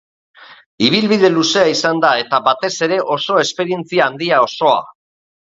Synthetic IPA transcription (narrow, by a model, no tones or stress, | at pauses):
iβ̞ilβiðe̞luse̞aisand̪ae̞t̪aβat̪e̞se̞ɾe̞ʔo̞so̞e̞spe̞ɾie̞nt͡siaːnd̪iao̞so̞a̰